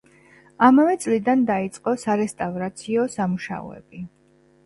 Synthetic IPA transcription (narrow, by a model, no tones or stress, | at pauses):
amavɛt̪sʼlid̪and̪ait̪sʼqʼɔsaɾɛst̪ʼavɾat̪sʰiɔsamuʃa̰ɔ̰ɛ̰b̥i